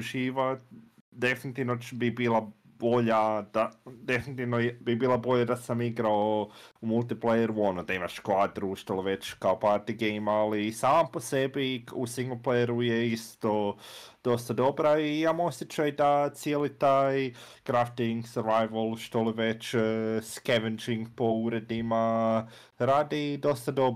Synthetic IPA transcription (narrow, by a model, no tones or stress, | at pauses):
uʒiːʋa | d̪e̞finit̪iʋnobibiːlˠa | bo̞ʎad̪ad̪e̞finit̪iʋnojbibiːlˠabo̞ʎad̪asamiɡɾaoumulˠt̪iplejeɾuo̞nod̪aimaʃkʋaːd̪ɾuʃt̪oliʋe̞t͡ʃkaopaɾt̪iɡejmalisaːmpo̞se̞biusiŋɡlˠplejeɾujeist̪od̪̥o̞st̪ad̪o̞bɾaijamosʲjet͡ʃajd̪at̪sijelit̪aːj | kɾaft̪iŋɡsəɾʋajʋolˠʃt̪olˠiʋet͡ʃːskeʋend͡ʒiŋɡpo̞uɾed̪ima | ɾaːd̪id̪o̞st̪ad̪o̞b